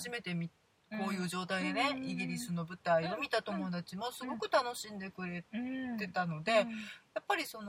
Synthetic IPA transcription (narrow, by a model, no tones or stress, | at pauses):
ʑime̞t̪e̞mʲi | ko̞ːjɯ̟ːʑo̞ːt̪aid̪e̞ne̞iɡʲiɾʲisɨno̞bɯ̟t̪aio̞mʲit̪at̪o̞mo̞d̪at͡ɕimo̞sɨɡo̞kɯ̟t̪ano̞ɕĩnd̪e̞kɯ̟ɾe̞t̪e̞t̪ano̞d̪e̞japːaɾʲiso̞no